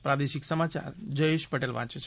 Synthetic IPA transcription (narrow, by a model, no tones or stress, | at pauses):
pɾad̪eʃiksəmat͡ʃa̰ɾd͡ʒəjeʃpəʈelʋã̰t͡ʃet͡ʃʰ